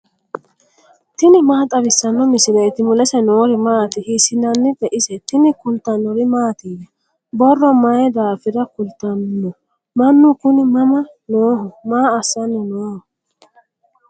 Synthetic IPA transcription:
t̪ɪnɪmaːt̪ʼɐβɪsːɐnːɔmɪsɪlɛjt̪ɪmʊlɛsɛnoːɾɪmaːt̪ɪhɪsɪnɐnːɪd̪ɛʔɪsɛt̪ɪnɪkʊlt̪ːɐnːɔɾɪmaːt̪iːdɐ | bɔrːɔmɐjɛd̪aːfɪɾɐkʊlt̪ɐnːɔ | mɐnːʊkʊnɪmɐmɐ | noːɦɔmaːɐsːɐnːɪnoːhɔ

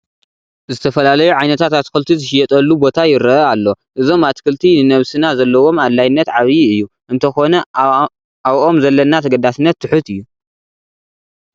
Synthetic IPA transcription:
zɨt̪ʰɐfɐlalɐjuʕajnɐt̪ʰat̪at̪kɨlt̪ʰizɨʃɪjɛt̪ʼɐlːubo̞t̪ʰajɪɾɐʔɐalːo̞ | ʔɨzo̞mat̪kʰɨlt̪ʰinɨnɐβsɨnazɐlːɐwo̞madlajɪnːɐt̪ʕaβiɨjːu | ʔɨnt̪ʰɐxo̞nɐ | aβʔo̞mzɐlːɐnːat̪ʰɐɡɐd̪asɨnːɐt̪ʰːɨħut̪ɨjːu

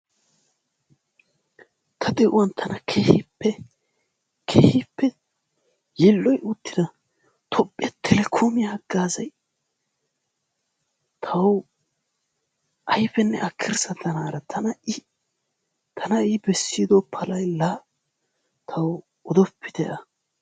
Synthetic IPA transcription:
t̪ʰɐd̪ɛʔʊwɐnt̪ʰɐnɐkʰeːhpːɛ | kʰeːhipːɛ | jɪlːɔjʔʊt̪ːɪd̪ɐ | t̪ʰɔpʼːɪɛt̪ʰɛlɛkʰomɪjaɡːaːzɐj | t̪ʰɐw | ʔɐjfɛnːɛ̰ʔɐkʰːɪɾsɐt̪ɐnaːɾɐt̪ʰɐnɐɪ | t̪ʰɐnɐɪbɛsːid̪opʰːɐlɐjlaː | t̪ʰɐw | ɔd̪ɔpːɪd̪ɛʔɐ

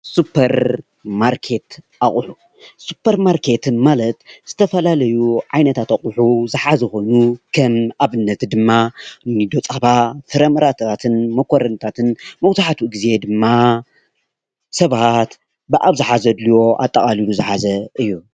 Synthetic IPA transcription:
supʰɐɾ | maɾkʰe̞t̪ʔaχʼuħu | supʰːɐɾmaɾkʰe̞t̪ɨnmalɐt̪z̥ɨt̪ʰɐfɐlalɐjuʕajnɐt̪ʰat̪aχʼuħuzɨħazɨxo̞nukʰɐmaβɨnːɐt̪d̪ɨmːanɨd̪ot͡sʼaβatʰɨɾɐmɐɾat̪ʰat̪ʰɨnmɐkʰoɾɐnt̪ʰat̪ʰɨnmɐwt̪ʰaħat̪ʰuɨɡize̞d̪ɨmːa | sɐβat̪ | bɨʔaβzɨħazɐd̪liwo̞ʔa̰t̪ʼːɐkʼaliluzɨħazɐʔɨjːu

